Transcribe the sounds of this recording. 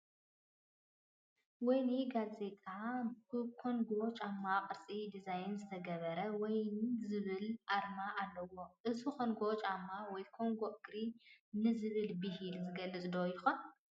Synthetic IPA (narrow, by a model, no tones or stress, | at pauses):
wɔjniɡaze̞t̪ʼaɨkʰo̞nɡo̞t͡ʃʼamːaqʼɨɾt͡sʼid̪izajnzɨt̪ʰɐɡɐβɐɾɐwɔjnzɨβɨlʔaɾmaʔalːɐwo̞ʔɨzukʰonɡo̞t͡ʃʼamːawɔjkʰo̞ŋɡo̞ʔɨɡɾinɨzɨβɨlbɨɦilzɨɡɐlːɨt͡sʼd̪ojɪxon